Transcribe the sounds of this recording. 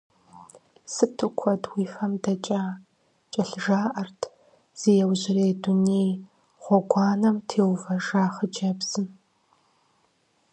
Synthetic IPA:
sɨtʰɨkʷʰɔdwiːfɐmdɐt͡ʃʼaː | t͡ʃʼɐɬʒaːʔɐrtʰ | z̥ijɛwʑɪreːdunej | ʁʷɔɡʷɑːnɐmtʰeːwvɐʐaːχəd͡ʒɐbz̥ɨn

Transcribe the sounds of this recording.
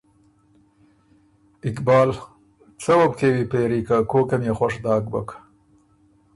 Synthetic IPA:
ɪkbɑːl | t͡sɐwɐb̚kewipeːɾiːkakoːkemjexwɐʂd̪ɑːk̚bɐ̰kḁ

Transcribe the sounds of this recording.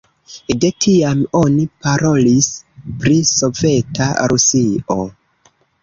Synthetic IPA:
de̞tʰiamo̞nipaɾo̞lispɾiso̞ve̞ta̰ɾusio̞

